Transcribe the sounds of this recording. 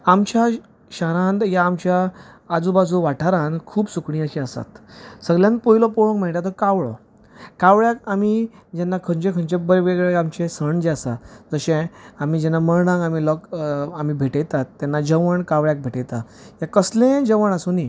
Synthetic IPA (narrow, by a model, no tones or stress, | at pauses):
amt͡ɕa | ɕaɾãnd̪jaːmt͡ɕjaad͡zubad͡zʱuʋaʈʰaɾãnkʰuːbsukɳ̃ĩəɕiasa̰t̪səɡljãnpoilɔpɔɭõkmɛɭʈ̪at̪ɔkaʋɭɔ̰ | kaʋɭjakami | d͡ʑɛnːakʰə̃ɲt͡ɕẽkʰə̃ɲt͡ɕẽbəɾeʋeɡɭeamt͡ɕẽsəɳd͡ʑeasa̰d͡zəɕẽam̤id͡ʑɛnːaməɭɳãŋɡamilɔkamibʱeʈejt̪at̪ːɛnːad͡ʑəʋəɳkaʋɭjak̚bʱeʈejt̪a | jakəslẽd͡ʑəʋəɳasoni